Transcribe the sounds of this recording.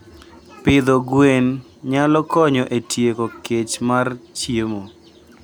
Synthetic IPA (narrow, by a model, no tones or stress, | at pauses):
pɪd̪ɔɡwen | ɲalɔkɔɲɔʔetʰjekoket͡ʃmart͡ʃjemo